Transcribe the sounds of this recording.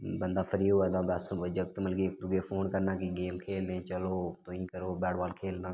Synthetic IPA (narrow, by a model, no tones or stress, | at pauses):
bənd̪aːfʰəɾiːoːəd̪ãːbaːsəd͡ʒək̚t̪məlɡeːk̚d̪ʊɡeːfoːnkəɾnãːkiːɡeːmkʰeːlẽːt͡ʃəloːt̪oːĩːkəɾoːbɛːɽʋaːlkʰeːlnãː